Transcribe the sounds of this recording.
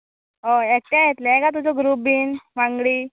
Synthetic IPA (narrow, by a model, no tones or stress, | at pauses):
ɦoek̚t̪ãɦet̪leekat̪̬ud͡zɔɡɾubiːnʋãŋɡɽiː